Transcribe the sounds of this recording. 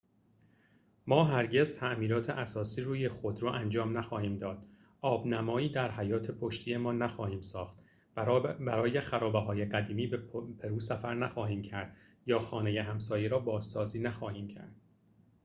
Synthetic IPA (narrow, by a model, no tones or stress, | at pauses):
mɒːɦæɾɟe̞zt̪ʰæʔmiːɾɒːt̪ʰeʔæsɒːsiːɾuːjexo̞d̪ɾɒːʔænd͡ʒɒːmnæxɒːhiːmd̪ɒːd̪̥ | ʔɒːbnæmɒːiːd̪æɾhæjɒːt̪ʰe̞pʰo̞ʃt̪ʰije̞mɒːnæxɒːhiːmsɒːxt̪ | bæɾɒːje̞xæɾɒːbeɦɒːje̞ɢæd̪iːmiːbpʰe̞ɾuːsæfæɾnæxɒːɦiːmcʰæɾd̪̥ | jɒːxɒːne̞jeɦæmsɒːjeɾɒːbɒːzːɒːziːnæxɒːhiːmcʰæ̰ɾd̪̥̚